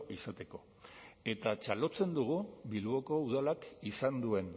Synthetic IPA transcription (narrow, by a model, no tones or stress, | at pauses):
isat̪e̞ko̞ | e̞t̪at͡ʃalo̞t͡se̞nd̪uɣ̞uβilβo̞ko̞uð̞alakisand̪ue̞n